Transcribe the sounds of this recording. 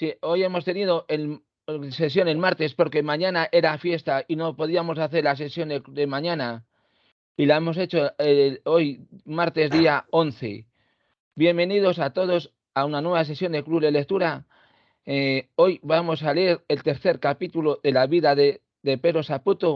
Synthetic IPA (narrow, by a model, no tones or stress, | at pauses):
sio̞je̞mo̞st̪e̞nið̞o̞ʔel | se̞s̬jo̞ne̞lmaɾt̪e̞spo̞ɾke̞mãɲãnaʔe̞ɾafje̞st̪aino̞po̞ð̞iamo̞s̬aθe̞ɾlas̬e̞sjo̞nd̪ekuðe̞mãɲãna | ilae̞mo̞se̞t͡ʃo̞eo̞jmaɾt̪e̞zðiao̞nθe̞̰ | bje̞mbe̞nið̞o̞sat̪o̞ð̞o̞s | aunanwe̞βas̬e̞sjo̞nd̪e̞kluβlele̞k̚t̪uɾa | o̞jβamo̞s̬aleeɾe̞lt̪e̞ɾθe̞ɾkapit̪ulo̞ðe̞laβiðaðe | ðe̞pe̞ɾo̞saput̪o